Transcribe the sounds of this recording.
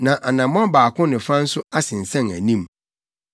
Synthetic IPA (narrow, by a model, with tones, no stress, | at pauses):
nã˨ʔa˨nã˨mɔ̃˦baː˨kʰʊ̃˦nɪ̃˨fa˦n̩˦sʊ˦a˦sɪ̃˨n̩˨sã˦˨ŋæ̰˨nĩ˦m